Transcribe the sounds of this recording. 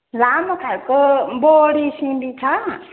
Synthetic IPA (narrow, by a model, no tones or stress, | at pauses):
lamɐkʰalkoboɽisĩmbit͡ʃʰa